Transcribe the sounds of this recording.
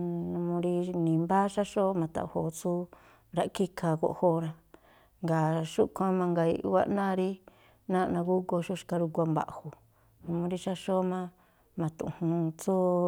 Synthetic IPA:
nũ˧mũ˧ɾi˧nĩ˨mba˦ʃa˦ʃo˦mã˨t̪a̰˨ho˨t͡su˦ | ɾa˦ʔki˦kʰa˧ko̰˧ʔho˦˧ɾa˧ | ŋɡa˨ʃu˦kʷã˦mã˧ŋɡa˧ḭ˧ʔwa̰˧ʔnã˦˧ɾi˦ | nã˦˧nã˧ku˦ko˧ʃu˦ʃka˧ɾu˧kʷa˧mba̰˨ʔhu˨ | nũ˧mũ˧ɾi˦ʃa˦ʃo˦mã˦ | mã˨t̪ṵ̃˧ʔhũ˧t͡su˦

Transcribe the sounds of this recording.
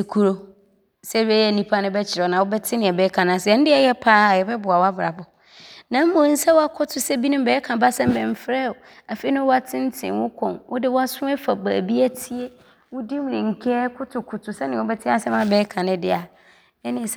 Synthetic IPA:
e˨kʰu˨ɾo˨ | sɛ˦ɛ˦jɛ˦˨nĩ˦pʰa˦nɪ̃˦bɛ˦t͡ɕʰɪ˨ɾɔ˨nã˨wɔ˦bɛ˦tʰɪ˦nɪ̃˨ɛ˨bɛː˦kʰã˨nʊ̃˨sɛ˨ɛ˨˦n̩˦dɪ˦ɛ˦jɛ˦pʰaː˦˨jɛ˨bɛ˦bʊ˨a˨wa˦bɾa̰˨bʊ˨ | nã˨˦m̩˦mõ˨˦n̩˦sɛ˦wɔ˦a˦kʰɔ˦tʰʊ˨sɛ˦bi˦nʊ̃˦m˦bɛː˨˦kʰã˨ba˦sɛ̃˦m˦bɛ̃˨m̩˨fɾɛ˦˨ | a˨fe˦nʊ̃˦wʊ˦a˦tʰɪ̃˦n˦tʰɪ̰̃˨wʊ̃˦kʰɔ̰̃˨nwʔʊ˦dɪ˦wʊ˦a˦sʊ̃˦ɛ˦fa˨ba̰ː˨bi˦æ˦tʰi˦e˦ | wʊ˦di˦m˨nɪ̃˨ŋ̩˨kʰɛ˦kʰʊ˦tʰʊ˨kʰʊ˨tʰʊ˨sɛ˦nɪ̃˨wɔ˦bɛ˦tʰɪ˦a˦sɛ˦mã˦bɛː˨˦kʰã˨nɪ̃˦dɪ˦a˨ | ɛ˦nɪ̃˦˨s

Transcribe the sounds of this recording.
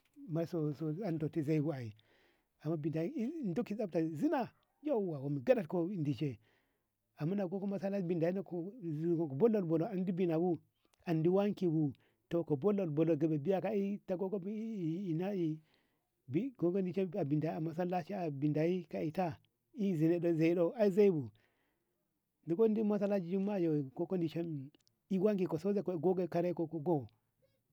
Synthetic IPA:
ma˦so˦so˨a˦n˦to˨ti˦za˦i˦bu˦a˨i˨ | a˨mːa˦bi˨nda˨ji˦˨ndu˦ki˨sa˦ta˨zi˦na˦ | jo˦u˨wa˨wo˨mi˨ɡa˦da˦˨t̚ko˦˨ndi˨t͡ʃe˦ | a˨mːa˦na˨ɡo˦ko˦ma˦sa˦la˦bi˨nda˨ji˦na˦ko˨o˨ko˨bo˦lo˨bo˨lo˨a˨ndi˦bi˨na˨wu˦ | a˨ndi˦wa˦ŋ˦ki˨wu˨ | to˨ko˨bo˦lo˨lbo˨lo˨ɡa˨be˨bi˦ja˦ka˨i˦ta˦ɡo˦ko˦˨i˨na˦i˨ | bi˦ɡo˦ko˦ndi˨t͡ʃe˦a˨bi˨nda˨i˦a˨ma˨s̬a˦la˦t͡ʃi˦a˨bi˨nda˨i˦ka˨i˨ta˦ | i˦˨zi˨ne˨do˦˨za˨i˦ɗo˦a˦i˦za˦i˦bu˨ | ndi˨ko˦ndi˦ma˦s̬a˦la˦d͡ʒi˦d͡ʒi˦ma˦˨jo˨ko˦ko˦ndi˨t͡ʃe˦m˨ | i˦wa˦ŋki˨ko˨so˦ze˨ko˨ɡo˦ɡa˨ka˦ɾe˦ko˨ko˨ɡo˦˨

